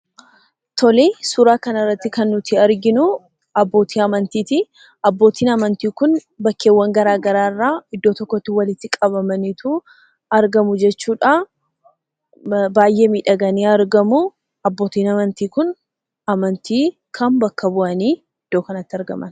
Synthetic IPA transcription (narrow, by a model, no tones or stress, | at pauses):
t̪ʰɔlesuːɾaːkɐnɐrːɐt̪ːɪkɐnːʊt̪ɪɐɾɡɪnʊ | ɐbːo̞ːt̪ʰiːɐmɐnt̪iːt̪ɪ | ɐbːo̞ːt̪ʰiːnɐmɐnt̪iːkʊn | bɐkːe̞ːwːɐŋɡɐɾaːɡɐɾaːrːaːɪd̪ːo̞ːt̪ɔkːɔt̪ːɪwɐlɪt̪ːɪkʼɐβɐmɐnit̪ʰu | ɐɾɡɐmʊd͡ʒɛt͡ʃːuːᶑa | baːjːe̞ːmiːᶑɐɡɐniːɐɾɡɐmʊ | ɐbːo̞ːt̪iːnɐmɐnt̪iːkʊn | ɐmɐnt̪iː | kʰɐmbɐkːɐbʊʔɐniː | ɪd̪̥ːo̞ːkɐnɐt̪ːɪɐɾɡɐ̰mʔɐ̰n